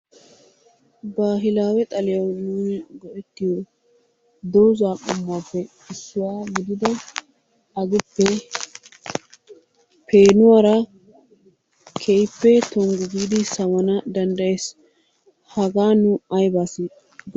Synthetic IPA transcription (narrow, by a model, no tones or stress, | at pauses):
baːɦɪlaːwɛt̪ʼɐlɪjɐwnuːnɡɔʔɛt̪ːɪjɔ | d̪ɔwzaːkʼɔmːaːpːɛ | ɪsːʊwaːɡɪd̪ɪd̪ɐ | ɐɡʊpːɛ | pʰeːnʊwaːɾɐ | kʰejpːɛt̪ɔŋɡʊɡiːd̪ɪsɐwɐnɐd̪ɐnd̪ɐjes | hɐɡaːnʊɐjbaːsi